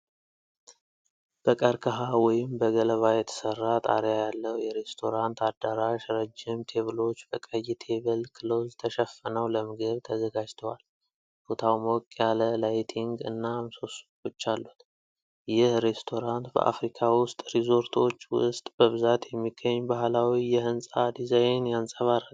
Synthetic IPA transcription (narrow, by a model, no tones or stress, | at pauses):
b̥əkʼəɾkʰəɦawɔjɪmbəɡələβajɛt̪ʰə̥sərːat̪ʼa̰ɾjajalːəwjɛɾe̞st̪ʰo̞ɾant̪ʰad̪aɾaʃɾəd͡ʒːɪmt̪ʰe̞βɨlo̞t͡ʃːbəkʼəjit̪ʰe̞βəlkʰɨlo̞zt̪ʰəʃɛfːənəwləmɨɡəβt̪ʰəzəɡad͡ʒt̪ʰəwal | bot̪ʰawmokʼjaləlajt̪ʰiŋɡɨ̰nːamso̞s | ot͡ʃːalːut̪ | jɪhɾe̞st̪ʰo̞ɾant̪bə̰ʔa̰fɾikʰawʊst̪ʼɾizo̞ɾt̪ʰo̞t͡ʃːwʊ̰st̪ʼb̥əβɨzat̪jɛmːiɡ̥əɲːbahlawijɛhɨnsʼad̪izajnjansʼəβaɾal